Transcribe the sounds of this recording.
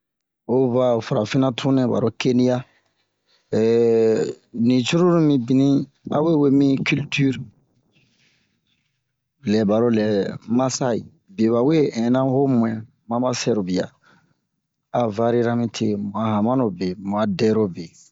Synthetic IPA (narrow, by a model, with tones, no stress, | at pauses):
o˦va˨fa˨ɾa˨fi˦nã˦tʰũ˦nɛ̃˨ba̰˨ɾo˦ke˦ni˦ja˦˨ | nĩ˨t͡ʃu˦ɾu˦ɾũ˦mĩ˦bi˨nĩ˦ | a̰˦we˦we˦mĩ˦ky˦lty˦ɾ | lɛ˨ba˨ɾo˦lɛ˨ma˦sa˦i˨ | be˨βa˨we˦ɛ̃˨˦nã˦ho˦mũ˨ɛ̃˨ | mã˦ba˦sɛ˦ɾo˨bi˨ja̰˨ | a˨va˦ɾi˦ɾa˦mĩ˦tʰe˦mũ˨a˨ɦã˨mã˦no˨be˨mũ˨a˨dɛ˦ɾo˦be˨